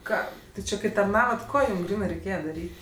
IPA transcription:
ˈkɑː ˈtʲɪ ˈt͡ʃʲɪ kɐɪ tɐrˈnɑːʋɐt ˈkoː ˈjuːm ˈɡrʲiːnɜ rʲɛɪˈkʲeːjɛ dɐˈrʲiːtʲ

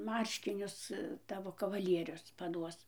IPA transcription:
ˈmɐrʲʃʲkʲɪnʲʊs ˈtɑːʋoː kɐʋɐˈlʲiɛrʲʊs pɐˈduɔs

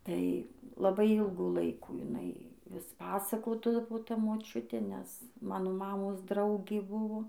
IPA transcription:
ˈtɐɪ lˠɐˈbɐɪ ˈiːlˠɡuː ˈlˠɐɪkuː jɪˈnɐɪ ʋʲɪs ˈpɑːsɐkoːdɐʋoː ˈtɐ moːˈt͡ʃʲʊtʲeː nʲɛs ˈmɑːnoː ˈmɑːmoːs ˈdrɐʊɡʲeː ˈbʊʋoː

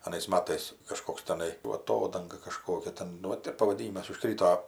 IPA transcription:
ɐˈnɐɪs ˈmɑːtɐɪs kɐˈʃkoːks tʲɛˈnɐɪ ˈʋɐ ɐˈtoːdɐŋɡɐ kɐˈʃkoːkʲɛ ˈtʲɛn nʊ ˈʋɐt ɪr pɐʋɐˈdʲiːnʲɪmɐs ʊˈʃkrʲiːtoː

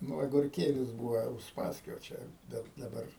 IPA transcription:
ˈnʊ ɐɡʊrʲˈkʲeːlʲɪs ˈbuːʋɐ ʊsˈpɑːsʲkʲoː ˈt͡ʃʲɛ ˈbʲɛt dɐˈbɐr

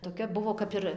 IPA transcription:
toːˈkʲɛ ˈbʊʋoː ˈkɐp ɪr

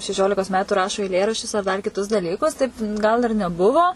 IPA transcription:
ʃʲɛˈʃʲoːlʲɪkoːs ˈmʲæːtʊ ˈrɑːʃoː ɛɪˈlʲeːrɐʃʲt͡ʃʲʊs ɐr dɐr kʲɪˈtʊs dɐˈlʲiːkʊs tɐɪp ˈɡɐlˠ ɪr nʲɛˈbʊʋoː

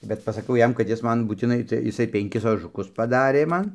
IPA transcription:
bʲɛt pɐsɐˈkʲɛʊ ˈjɛm kɐt ˈjɪs ˈmɐn buːtʲɪˈnɐɪ tɐɪ ɪˈsɐɪ pʲɛŋʲˈkʲɪs oːʒʊˈkʊs pɐˈdɑːrʲeː ˈmɐn

